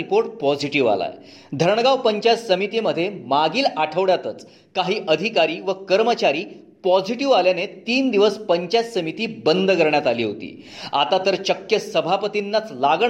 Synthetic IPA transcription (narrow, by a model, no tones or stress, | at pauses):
ikoɾʈ̚pɔd͡ʑiʈiʋa̰la̰j | d̪ʱəɾɳəɡaʋpəɲt͡ɕat͡ssəmit̪iːməd̪ʱjemaɡiːlaʈʰəʋɽjat̪ət͡s | kaɦiːʔəd̪ʱikaɾiːʋəkəɾmət͡ɕaɾiː | pɔd͡ziʈiʋaljanet̪iːnd̪iʋəspəɲt͡ɕassəmit̪iːbənd̪ʱəkəɾɳjat̪aliːɦot̪ḭː | a̰t̪at̪əɾɕəkjəsəbʱapət̪inːat͡slaɡɳ